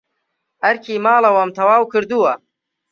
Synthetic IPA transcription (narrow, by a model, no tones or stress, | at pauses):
ɐɾkʰiːmaːlɐwɐmt̪ʰɐwaːwkɨɾd̪uwɐ